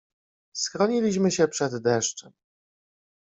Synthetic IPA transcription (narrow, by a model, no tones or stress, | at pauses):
sxɾɔɲilʲiɕmɘɕɛpʂɛd̪ːɛʂt͡ʂɛm